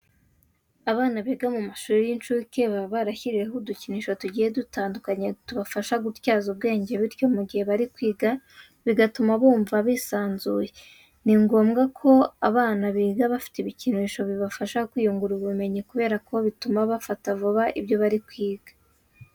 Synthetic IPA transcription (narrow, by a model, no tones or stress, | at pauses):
aβaːnaβiɡamumaʃuːɾijint͡ʃuːke̞βaβaɾaçiɾiɾeɦuduciniʃo̞tuɟije̞dutaːndukaɲetuβafaʃaɡutjaːzuβ̚ɡe̞ːɲɟe̞βiɾjo̞muɡihe̞βaɾikwiːɡa | βiɡatumaβuːɱvaβiːsaːnzuːje̞ | niŋɡo̞ːmɡakʰo̞aβaːnaβiːɡaβafi̥tiβiciniʃo̞βiβafaʃakwiːjuŋɡuɾuβume̞ɲikuβe̞ːɾakʰo̞βitumaβafatavuβaʔibjo̞βaɾikwiːɡ̥ḁ